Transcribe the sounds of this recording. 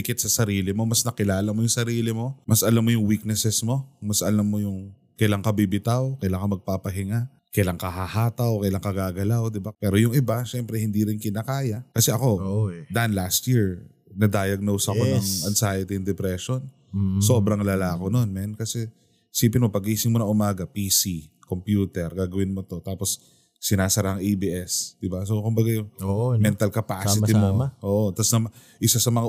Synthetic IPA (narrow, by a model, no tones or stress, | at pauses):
ɪkɪt̪̚sɐsɐɾiːlɪmo̞mɐsnɐkɪlaːlɐmojʊŋsɐɾiːlɪmo̞mɐsʔɐlamːojʊŋwik̚nɛsɛsmo̞mɐsʔɐlamːo̞jʊŋ | kɐjlaŋkɐbɪbɪt̪awkɐjlaŋkɐmɐɡ̚papɐɦɪŋa | kɐjlaŋkɐɦahaːt̪ɐwkɐjlaŋkɐɡaːɡɐlawd̪ɪbapɛːɾojʊŋɪbaʃɛmpɾɛhɪnd̪iːɾɪnkɪnakaːjɐkɐsɛʔɐko̞d̪aʔɐnlast̪jiɹ | nɐd̪aːjɐɡ̚nowsɐkonɐŋʔɐnsaːjɐt̪iɐŋd̪ɛpɾɛʃo̞n | so̞bɾɐŋlalaːko̞no̞nmɛnkɐsɛ | hɪsiːpɪnmo̞pɐɡʔiːsɪŋmonɐŋʔʊmaːɡɐpiːsikompjuːt̪ɛɾɡaːɡɐwɪnmo̞t̪o̞t̪aːpo̞sː | ɪnaːsɐɾahɐŋʔibiʔɛsd̪̥ɪbasokʊmbɐɡajʊŋmɛnt̪ɐlkɐpaːsɪt̪ɪmoʔoːʔot̪ɐsnɐm | ʔɪsasɐmɐŋa